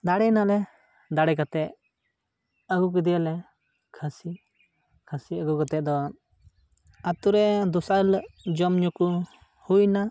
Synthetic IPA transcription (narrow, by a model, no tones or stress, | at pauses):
d̪aɽɛnalɛ | d̪aɽɛkat̪ɛʔ | əɡuk̬id̪ijalɛ | kʰasi | kʰasiəɡukat̪ɛd̪ɔ | at̪uɾɛd̪usald͡ʒɔmɲɔku | hujna